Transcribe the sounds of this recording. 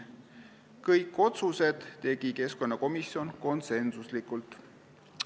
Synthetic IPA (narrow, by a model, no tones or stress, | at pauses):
kɤjkːˑo̞t̪suse̞d̪̥ːe̞ɡ̥ike̞sko̞nːɑko̞misjo̞nko̞nse̞nsuslikˑult̪ˑ